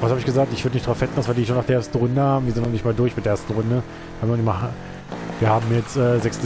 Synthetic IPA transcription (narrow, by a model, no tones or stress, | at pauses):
vashaːbɪçɡ̥əzaːk̚tɪçv̥ʏɐdənɪçtd̥ʁaʊfvɛtn̩vasn̩vaɪdiʃoːnːaːχdeʔɛɐstn̩ʁʊndəhaːbmviɐzɪntnɔnɪçtmaːldʊɐçmɪtdeːʔeɐstn̩ʁʊndə | viːhaːmnɔnɪçma | viːɐhaːbmjɛt͡stʔɛːzɛksn̩